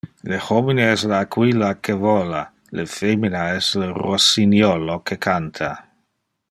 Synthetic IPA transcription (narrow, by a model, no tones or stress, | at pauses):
lexomineɛslaːkʰwilakʰevɔla | ləfeminaɛslerosinjɔlokʰekʰantʰa